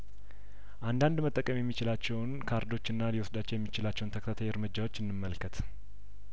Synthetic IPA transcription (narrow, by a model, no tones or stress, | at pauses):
ʔand̪and̪mət̪ʼːəkʼːəmjɛmːit͡ʃɪlat͡ʃːɛwnkʰaɾd̪o̞t͡ʃːɨnːaliwosd̪at͡ʃːɛwjɛmːit͡ʃɪlat͡ʃːɛwnt̪ʰəkʰt̪at̪ʰajɨɾmɨd͡ʒːawot͡ʃːɨnːɨmːəlkʰət̪